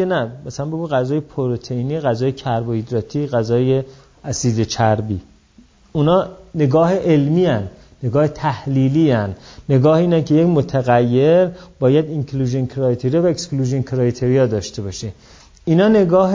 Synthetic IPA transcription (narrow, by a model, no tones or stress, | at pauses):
enæmæsælænbe̞ɡuːɣæzɒːjepʰoɾot̪ʰeiniːɣæzɒːjecʰæɾboid̪ɾɒːt̪ʰiːɣæzɒːje | æsiːd̪et͡ʃʰæɾbḭː | unɒːne̞ɡɒːɦeʔelmiːænː | eɡɒːhet̪ʰæhliːliːænːe̞ɡɒːhiːnænkʰejecmot̪ʰæɣæjːeɾbɒːjæd̪iŋkʰluːʒenkʰɾɒjt̪ʰeɾijɒvæekskluːʒonkʰɾɒjt̪ʰeɾijɒd̪ɒːʃt̪e̞bɒːʃe | inɒːne̞ɡɒːɦ